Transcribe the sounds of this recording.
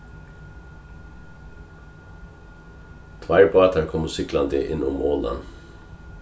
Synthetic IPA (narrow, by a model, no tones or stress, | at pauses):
t̪ʰʋɑɪɹpʰoːɛt̪ʰæɾkʰɔmosʏklɑnd̪ɪʔɪnʊmoːlɑ̰n